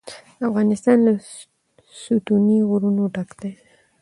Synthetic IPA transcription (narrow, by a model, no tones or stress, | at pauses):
afɣɑnɪst̪ɑnla | sut̪uniɣʊɾunoʈakd̪̥aj